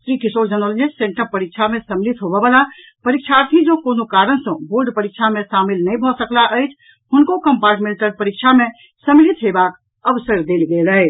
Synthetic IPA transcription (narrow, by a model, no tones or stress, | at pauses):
sɾikisoɾd͡ʒənəld͡ʒesẽɳʈəɾpəɾik̚t͡ʃʰamesəmlit̪ɦobɛʋala | pəɾikt͡ʃʰaɾt̪ʰid͡ʒokoːnokaɾənsə̃boɾɖpəɾik̚t͡ʃʰamẽʃamilnəĩbʱɔsəklaʔəjt͡ʃʰ | ɦʊnkokəmpaɾʈmẽlʈəɾpəɾikt͡ʃʰame | səmlit̪ɦebak | əbsəɾd̪eːlɡeləj